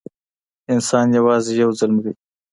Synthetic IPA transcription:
ɪnsɑːnjawɑːzejawzalmwi

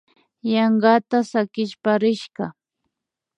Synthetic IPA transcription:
jɑɴɢɑt̪asakɪʃpaɾɪʃɢɑ

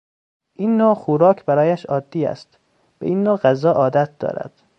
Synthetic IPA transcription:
ʔiːnːoːxuɾɒːcʰbæɾɒːjæʃɒːd̪ːiːæ̰st̪ | bḛʔiːnːoːɢæzɒːʔɒːd̪æt̪̚d̪̥ɒ̰ːɾæ̰d̪̥

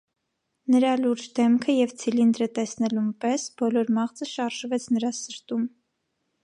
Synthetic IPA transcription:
nəɾɑluɾd͡ʒd̪ɛmkʰəjɛvt͡sʰilind̪ɾət̪ɛsnɛlumpɛsbɔlɔɾmɑʁt͡səʃɑɾʒvɛt͡sʰnəɾɑsəɾt̪um

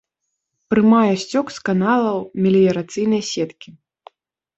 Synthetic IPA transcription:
pɾɨmajɛsʲt͡sʲɔkskanalˠɐwmʲɛlʲijɐɾat̪sɨjnɐjsʲɛt̪kʲi

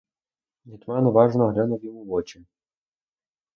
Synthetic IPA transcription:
jʲit̪ʲmɑnʊʋɑʒnɔɦlʲanɔwjɔmuʋɔt͡ʃi

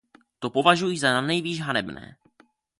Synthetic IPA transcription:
t̪o̞po̞vaʒujiːzananɛjviːʒɦanɛbnɛ̰ː

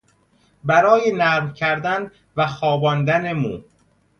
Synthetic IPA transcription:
bæɾɒːjenæmcʰæɾd̪æn | væxɒːbɒːnd̪ænemuː

